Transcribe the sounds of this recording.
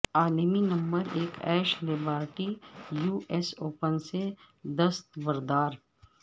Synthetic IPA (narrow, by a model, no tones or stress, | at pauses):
aːleminɐ̃mbəɾeːkɛːʃleːbaːɾʈijuːɛsoːpənse | d̪ɐst̪bɐɾd̪aːɾ